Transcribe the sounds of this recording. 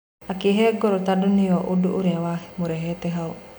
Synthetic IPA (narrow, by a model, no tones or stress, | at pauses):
akiɦeɡɔɾot̪adunioʔuduʔuɾewaɦmuɾeɦet̪eɦau